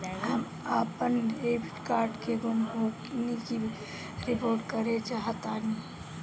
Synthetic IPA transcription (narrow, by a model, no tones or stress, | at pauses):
ɦəm | apənebiʈkaɾɖkeɡonbʱoɡniki | ɾipoɾɖkəɾet͡ʃaɦt̪ani